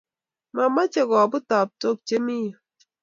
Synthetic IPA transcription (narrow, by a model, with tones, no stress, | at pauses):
ma˨ma˦t͡ʃe˦ɡɔ˨bu˦ta˨p̚to˦˨k̚t͡ʃe˦mi˦jo˨